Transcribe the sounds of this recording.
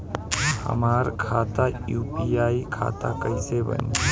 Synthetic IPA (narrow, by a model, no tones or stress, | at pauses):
hə̰maːɾkʰaːt̪ajuːpiaːikʰa̰ːt̪akəisebə̰ni